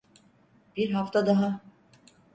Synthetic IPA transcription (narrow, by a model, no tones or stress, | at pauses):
b̥iɾɦaft̪ʰad̪aɦa